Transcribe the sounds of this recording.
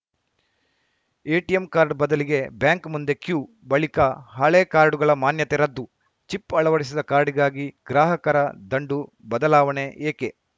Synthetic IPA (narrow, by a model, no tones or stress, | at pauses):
eːʈijemkaːɾɖbɐd̪ɐliɡe̞bjaːŋkmund̪e̞kjuː | bɐɭikɐɦɐɭeːkaːɾɖuɡɐɭɐmaːnjɐt̪eɾɐd̪ːu | t͡ʃipːɐɭɐʋɐɽisid̪ɐkaːɾɖiɡaːɡiɡɾaːɦɐkɐɾɐd̪ɐɳɖu | bɐd̪ɐlaːʋɐɳeeːke